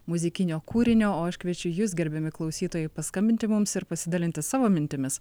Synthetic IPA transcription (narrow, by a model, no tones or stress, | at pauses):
mʊzʲɪkʲɪnʲoːkuːɾʲɪnʲoːoːɐʃʲkʋʲiɛt͡ʃʲʊjuːsɡʲɛɾʲbʲemʲɪklˠɒʊsʲiːt̪oːjɛɪpɐskɐmʲbʲɪnʲt̪ʲɪmʊmsɪɾpɐsʲɪd̪ɑlʲɪnʲt̪ʲɪsɑːʋoːmʲɪnʲt̪ʲɪmʲɪs